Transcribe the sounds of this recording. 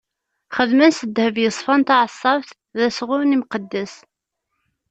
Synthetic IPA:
χəðmænsəd̪həvjəsˤfɑnt̪ɑʕəsˤːɑvθ | ðæsʁʊɾnimqəd̪ːæs

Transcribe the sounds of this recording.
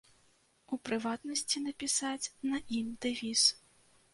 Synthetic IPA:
upɾɨvat̪nɐsʲt͡sʲinɐpʲisat͡sʲnɐimd̪ɨvʲis

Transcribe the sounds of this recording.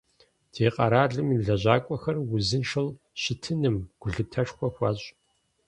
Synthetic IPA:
d̥ʰeːqʼɐɾaːɮɨmimɮɐʑaːkʷʼɔxɐrwʊzɨnʂɨl | ɕɪtʰɨnɨmɡ̥ʷʊɮɨtʰɐʂxʷɔxʷaːɕʼ

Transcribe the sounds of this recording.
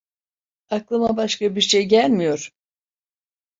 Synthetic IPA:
aklˠɯmabaʃkabiɾʃejɟælʲmijo̞ɾ̥

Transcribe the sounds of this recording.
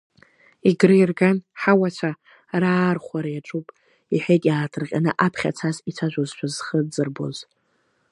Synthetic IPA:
iɡrɨjrɡanħawat͡ʃʷʰa | raːrχʷaɾajaʈ͡ʂʼupʼ | iħᶣekʲʼjaːtʰɨrqʲʼanɨʔapʰχʲa̰t͡sʰazit͡sʷʰaʒᶣʷozʃʷᶣʰazχəd͡zɨrbo̰z

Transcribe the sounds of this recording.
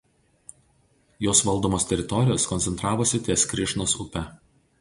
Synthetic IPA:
joːsʋɐlˠd̪oːmoːst̪ʲɛɾʲɪt̪ɔɾʲɪjoːskɔnʲsʲɛnt̪ɾɑːʋosʲɪt̪ʲiɛskɾʲɪʃnosʊpʲɛ

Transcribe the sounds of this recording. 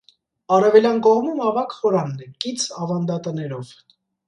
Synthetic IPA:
ɑrɛvɛljɑnkɔʁmumɑvɑkhɔɾɑnːɛkit͡sʰɑvɑnd̪ɑt̪ənɛɾɔv̥

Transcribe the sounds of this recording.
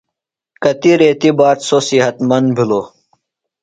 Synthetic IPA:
kɐt̪iɾeːt̪ibaːt̪sosiɦɐt̪mɐnd̪bʱiloː

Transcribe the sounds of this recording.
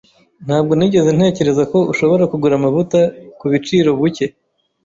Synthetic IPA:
n̥aːbɡo̞niɟe̞zen̥e̞ːce̞ɾe̞zako̞uʃo̞βo̞ɾakuɡuɾamaβutakuβit͡ʃiːɾo̞βuce̞

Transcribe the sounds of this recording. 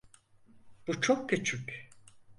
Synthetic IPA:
b̥ut͡ʃʰokcʰyt͡ʃʰycʲ

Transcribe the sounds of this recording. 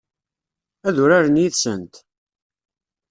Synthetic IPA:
æðʊɾaɾənjiθsə̰nt̪

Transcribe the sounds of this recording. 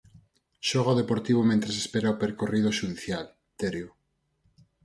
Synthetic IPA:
ʃoɣ̞aoðepoɾt̪iβomẽnt̪ɾesespeɾaopeɾkorið̞oʃuðθjal | t̪eɾju

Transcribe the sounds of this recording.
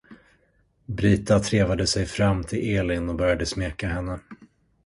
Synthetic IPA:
bɾiːt̪at̪ʰɾeːvad̪əsɛjfɾamːt̪ʰɪlʔeːlɪnɔbœɾjad̪əsmeːkaɦɛnːə

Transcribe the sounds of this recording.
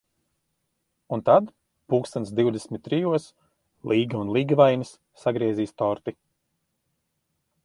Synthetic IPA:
unt̪ad̪ | puːkst̪ansd̪iwd̪esʲmit̪̚ʲːɾijuɔs | lˠiːɡaunlˠiːɡavajnisːaɡɾiɛziːst̪ɔɾt̪i

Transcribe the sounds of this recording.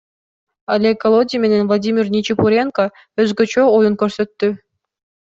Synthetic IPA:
ɑlʲekːolˠodʲimʲenʲenvlˠadʲimʲirnʲit͡ɕipuɾʲenko | øzɡø̆t͡ɕøojɤ̆nkʲørsø̆t̪ːy

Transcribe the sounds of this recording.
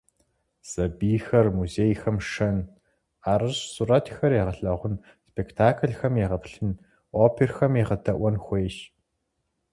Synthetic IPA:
z̥ɐbiːxɐrmuzeːjxɐmʂɐn | aːɾɐɕsurɐtʰxɐrjeːʁɐɬɐʁʷʊn | spʰektʰaːkʰɮxɐmjeʁɐpɬɨn | oːpʰerxɐmjeʁɐtʰɐʔʷɐnxʷeːʃ

